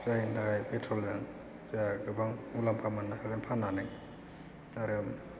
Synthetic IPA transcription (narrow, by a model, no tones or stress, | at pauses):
zajndaɡajpetʰɾɔlzaŋ | zaɡɯbaŋmulampʰamanːahaɡanpʰananɯŋ | aɾɯm